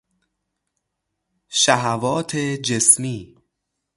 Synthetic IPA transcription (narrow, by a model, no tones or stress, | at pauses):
ʃæɦævɒːt̪ʰed͡ʒesmiː